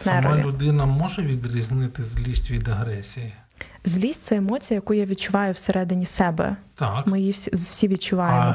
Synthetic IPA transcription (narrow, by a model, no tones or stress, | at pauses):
nɛɾɔ̰ljʊʊd̪ɪnɐmɔʒɛʋʲid̪ɾʲizʲnɪt̪ɪzʲlʲisʲtʲʋʲid̪ɐɦɾɛsʲiji | zʲlʲisʲt̚ʲt̪sɛemɔt͡sʲijɐjɐkujaʋʲid̪̚t͡ʃʊʋɑjʊwseɾɛd̪ɪnʲisɛbɛ̰t̪akmɪjisʲzwsʲiʋʲid̪̚t͡ʃʊʋɑjemɔ